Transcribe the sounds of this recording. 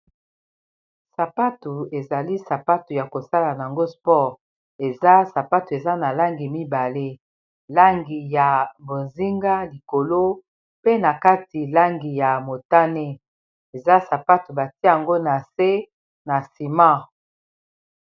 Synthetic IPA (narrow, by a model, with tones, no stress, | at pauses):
sa˨pa˦tu˨e˨za˨li˦sa˨pa˦tu˨ja˨ko˨sa˦la˨na˨a˨ŋɡo˦spɔ˦ʁ | e˨za˦sa˨pa˦tu˨e˨za˦na˨la˦ŋɡi˨mi˦ba˨le˦ | la˦ŋɡi˨ja˨mbo˨nzi˦ŋɡa˦li˨ko˨lo˦ | pe˦na˨ka˦ti˨la˦ŋɡi˨ja˨mo˨ta˦ne˦ | e˨za˦sa˨pa˦tu˨ba˨ti˦a˨ŋɡo˦na˨se˦ | na˨si˨mã˦